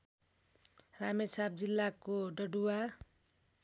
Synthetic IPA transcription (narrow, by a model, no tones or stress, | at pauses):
ramesap̚d͡zilːakoɖʌɽuwa